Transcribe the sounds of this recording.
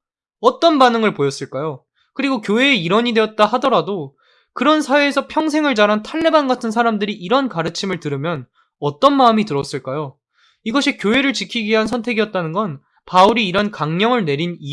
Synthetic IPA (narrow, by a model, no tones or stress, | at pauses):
ʌt͈ʌnbanɯŋɯɭpojʌs͈ɯɭk͈ajo | kɯɾiɡokjoɦe̞ːiɾʌɲide̞ʌt̚t͈aɦadʌɾado | kɯɾʌnsʰaeːsʰʌpʰjʌŋs̬ʰeŋɯɭd͡ʑaɾɦantʰaɭːe̞banɡatʰɯnsʰaɾamdɯɾiʔːɾʌnkaɾɯt͡ɕʰimɯɭtɯɾɯmjʌn | ʌt͈ʌnmaɯmitɯɾʌs͈ɯɭk͈ajo | iɡʌɕʰikjoɦe̞ɾɯɭt͡ɕikʰiɡɥiɦansʰʌntʰe̞ɡijʌt̚t͈anɯnɡʌn | pauɾiːɾʌnkaŋɲʌŋɯɭne̞ɾini